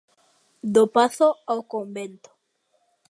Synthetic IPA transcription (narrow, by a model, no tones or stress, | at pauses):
d̪opaθoawkõmbẽnt̪o̥